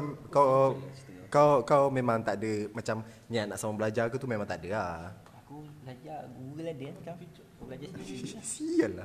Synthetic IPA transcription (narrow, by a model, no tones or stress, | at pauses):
amkaw | kawkawmemãŋt̪aʔdəmat͡ʃamɲiat̪̚naʔsamabəlad͡ʒakut̪umemãŋt̪aʔdəa | akubəlad͡ʒaɡuɣəladənka | bəlad͡ʒassiəlːa